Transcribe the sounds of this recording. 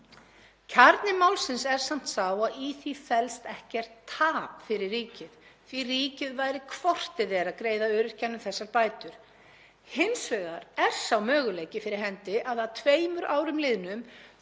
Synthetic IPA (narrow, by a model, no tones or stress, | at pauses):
cʰaɾt̪nɪmawlsɪnsɛɾ̥sam̥t̪saːwaðiθifɛlst̪ɛhcɛr̥t̪ʰːaːpfɪɾɪrːiːcɪðθviriːcɪðvaːjɾɪkʰvɔr̥t̪ɪðɛːɾaðkɾeːjðaœːɾɪɾ̥canːʏmθɛsːaɾpaːjt̪ʏɾ̥ | hɪnsvœːɣaɾɛɾ̥sawmœːɣʏleːjcɪfɪɾɪɾ̥ɦɛnt̪ɪʔaðat̪ʰveːjmʏɾʔaːwɾʏmlɪðnʏm